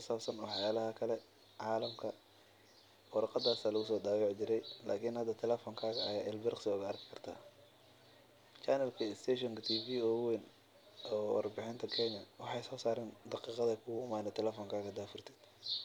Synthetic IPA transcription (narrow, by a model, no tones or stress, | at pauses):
kʰʊsaːbsɐnwɑħjaːlɐɦɐkʰɐlɛ | ʕɑːlɐmkʰɐ | wɑɾɑqɑd̪aːsaːlɐɣʊsɔːd̪aːwɑːʕt͡ʃɪɾɛjla̰ːkʰinhɐd̪ɐt̪ʰɛlɛfɔːŋkʰaːɣɐɐjaːɛlbɪrqsɪʊɣɐɐrkʰɪ̥kʰɐrt̪ʰa̰ː | t͡ʃɐnɛlkʰɐst̪ʰɛʃɔŋkɐt̪ʰiːfiːɔːwɛn | ɔːwɑ̰rbɪħɪnt̪ʰɐkʰɛɲɐwɑħɑjsɔːsaːɾɪnd̪ɑqiːqɑðɛkʰʊɣʊʊmaːnɛt̪ʰɛlɛfɔːŋkʰaːɣɐd̪aːfʊrt̪ʰɛ̥ːd̪